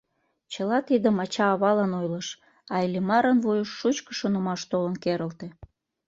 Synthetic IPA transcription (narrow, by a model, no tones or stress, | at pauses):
t͡ɕəlɑt̪id̪əmɑt͡ɕɑːβɑlɑnojləʃ | ɑilimɑɾənβujəʃːut͡ɕkə̥ʃonəmɑʃt̪olənkeɾəlt̪e